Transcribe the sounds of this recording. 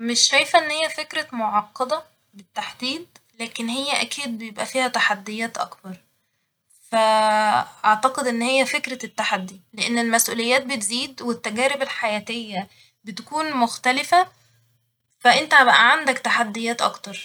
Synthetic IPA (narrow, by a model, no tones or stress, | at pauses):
meʃɾæjfæʔenːhejːæfekɾæmoʕɑqːɑd̪ɑ | bet̪ːaħd̪iːd̪̚ | læːkenhejːæʔækiːd̪̚bejebʔæfiːhæt̪aħad̪ːejæːt̪ʔɑ̰kbɑɾˤ | fæ | ʔɑʕt̪ɑqed̪ʔenːhejːæfekɾæt̪ːaħad̪ːileʔenːelmæsʔuːlejːæːt̪̚bet̪ziːd̪wet̪ːæɡæːɾebelħajæːt̪ejːæ | bet̪ækuːnmoxt̪ælɪfæ | fæʔent̪æbæʔæʕand̪ækt̪aħad̪ːejæːt̪ʔɑ̰kt̪ɑɾˤ